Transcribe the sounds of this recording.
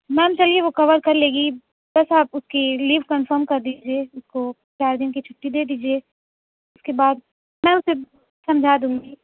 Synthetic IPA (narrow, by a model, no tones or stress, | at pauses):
mɛ̃ːmt͡ʃɐlieʋokɐʋəɾkɐɾleːɡi | bɐsaːpʊskiliːʋkɐnfəɾmkɐɾd̪iːd͡ʒieːʊsko | t͡ʃaːɾd̪ɪnkit͡ʃʰʊ̥ʈːid̪eːd̪iːd͡ʒieː | ʊskebaːd̪̚ | mɛ̃ːʊse | sɐ̃md͡ʒʱad̪ũːŋɡiː